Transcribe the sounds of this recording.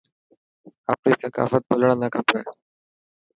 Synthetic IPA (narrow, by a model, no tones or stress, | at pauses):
a̰pɽisəka̰fət̪̚bolɳ̃anakapaj